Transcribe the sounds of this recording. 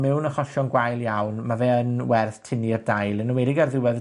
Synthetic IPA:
mɛwnəχɔɬɔnɡwajlˠjawnmavɛənwɛrθtʰɪniərdajlˠənəwɛdɪɡarðɪwɛð

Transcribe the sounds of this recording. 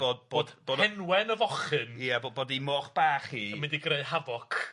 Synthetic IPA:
b̥oːdb̥oːdb̥oːdɛnwɛnəvɔχɨniaboboːdimɔːχb̥aːχiːmɪndiɡreɨɦavɔkʰ

